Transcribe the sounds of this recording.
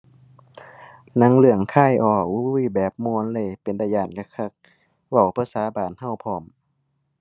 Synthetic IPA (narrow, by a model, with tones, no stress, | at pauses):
na˧˥ŋlɯ˧˩əŋkʰaː˧˥˨jʔɔː˧˩u˧˩˨bɛː˨˩p̚mu˧˨˦nlɤ˧˨jpe˨ndaː˧jaː˧˩nka˧kʰa˧˩k̚ | wa˧˩wpʰaː˧saː˨˧˦baː˨˩nha˧˩wpʰɔː˧˩m